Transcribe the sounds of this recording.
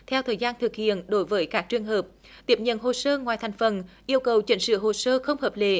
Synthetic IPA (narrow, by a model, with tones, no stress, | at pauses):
t̪ʰɛ˧wt̪ʰəː˨˩jzaː˧nt̪ʰɨ˨˩k̚hḭ˧˨ənɗo˨˦jvəː˨˦jkaː˦˥k̚t͡ɕɨ˨˩əŋɦəː˨˩p̚ | t̪i˦˥˩əp̚ɲə̰˧˨nɦo˨˩səː˧ŋwaː˨˩jt̪ʰa˨˩jŋ̟fə˨˩nʔi˧əwkə˨˩wt͡ɕi˧˨˦ŋ̟sɨ̰˧˨ɦo˨˩səː˧xə˧wŋ͡mhəː˨˩p̚le˧˨˥